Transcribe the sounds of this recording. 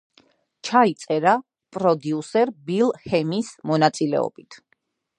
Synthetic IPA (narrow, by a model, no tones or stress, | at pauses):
t͡ʃʰait̪sʼɛɾa | pʼɾɔd̪iusɛɾbilˠhɛmismɔnat̪sʼilɛ̰ɔ̰b̥it̪ʰ